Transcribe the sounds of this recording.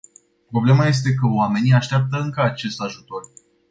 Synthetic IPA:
pɾo̞ble̞maje̞s̬t̪e̞kəoame̞niaʃt̪eap̚t̪əɨŋkəat͡ʃe̞st̪aʒut̪o̞r

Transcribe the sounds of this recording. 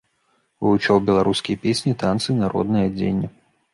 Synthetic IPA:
vɨut͡ʂɔwbʲɛlˠaɾuskʲijɐpʲesʲnʲit̪ant̪sɨnaɾɔ̰d̪nɨjad͡zʲḛnʲːɐ

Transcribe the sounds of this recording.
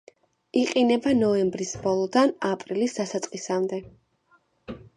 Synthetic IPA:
iqʼinɛbanɔɛmbɾisbɔlˠɔd̪anapʼɾilisd̪asat̪sʼqʼisamd̪ɛ

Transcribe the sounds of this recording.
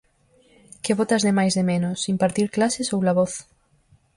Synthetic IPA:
kɪβɔt̪azðemajzðemenʊsimpaɾt̪iɾklasɪsowlaβɔθ

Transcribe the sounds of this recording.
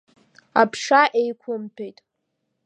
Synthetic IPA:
apʰʂaʔejkʷʰʊmpʰejtʼ

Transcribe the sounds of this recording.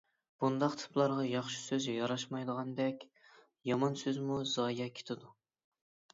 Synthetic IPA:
b̥und̪ɑqt̪ʰɨ̥plˠɑɾʁɑjɑχʃi̥søzjɑɾɑʃmɑjd̪əʁɑnd̪ɛkʲ | jɑmɑnsøzmuzɑːjɑkʲʰe̥t̪ʰɪd̪u

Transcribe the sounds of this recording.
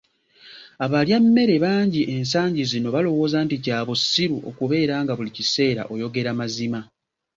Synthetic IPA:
aβaljamːe̞ɾe̞βaːɲɟiʔe̞ns̬aːɲɟizino̞βalo̞wo̞ːzaːnticaːβosːiɾuʔo̞̰kuβe̞ːɾaːŋɡaβulicise̞ːɾa̰ʔo̞jo̞ɡe̞ɾamazima

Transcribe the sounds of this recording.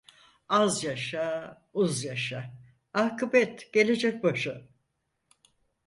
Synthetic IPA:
azjaʃa | uzjaʃa | akɯbɛt̪ɟ̥e̞lʲe̞d͡ʒɛc̚baʃɯ

